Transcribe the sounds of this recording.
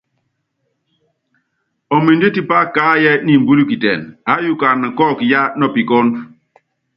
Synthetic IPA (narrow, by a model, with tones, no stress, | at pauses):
ɔ˨mi˨ndi˦ti˦pa˦kaː˦jɛ˦ni˨m˨bu˦li˦ki˨tɛ̰˨na˨˦ju˦˨ka˨nə˨kɔ˦˨kja˦nɔ˦˨pi˨kɔ˦n